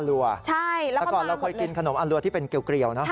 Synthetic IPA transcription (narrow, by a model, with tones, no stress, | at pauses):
lu˧ɐt͡ɕʰa˥˩jɛ˦˥kɔː˨˩nɾa˧wkʰɤː˧jki˧nkʰa˧no˨˩˦mʔa˧nlu˧ɐt̪ʰiː˥˩pe˧nke˧wkɾi˨˩əwnɔ˦˥